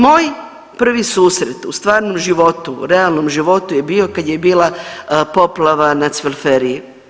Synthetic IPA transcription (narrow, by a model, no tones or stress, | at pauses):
moːj | pr̩ʋisuːsɾet̪ust̪ʋaːɾno̞mʒiʋo̞t̪ṵɾealˠno̞mʒiʋo̞t̪uje̞biːo̞kad̪je̞biːlapo̞plˠaʋanat̪sʋelfeɾiji